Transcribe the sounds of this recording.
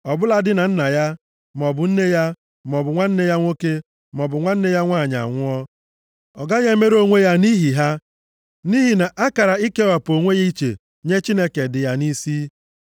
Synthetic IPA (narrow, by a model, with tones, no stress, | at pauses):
ɔ˨bʊ˦la˦dɪ˦na˨n̩˦na˨ja˦ | m˨ɔ˨bʊ˨n̩˦ne˦ja˦ | m˨ɔ˨bʊ˨ŋʷa˦n̩˦ne˦ja˦ŋʷo˦ke˦ | mɔ˨bʊ˨ŋʷa˦n̩˦ne˦ja˦ŋʷa˦˨ɲa̰˨ŋʷʊ˦ɔ˦ | ɔ˨ɡa˦ɲe˦me˦ɾo˦ŋʷe˦ja˦ni˦ɦi˨ɦa˦ | ni˦ɦi˨na˨ʔa˦ka˨ɾa˨i˦ke˦wa˨po˨ŋʷe˦ja˦i˦t͡ʃḛ˨ | ɲe˦t͡ʃi˦ne˦ke˨dɪ˨ja˦ni˦si˦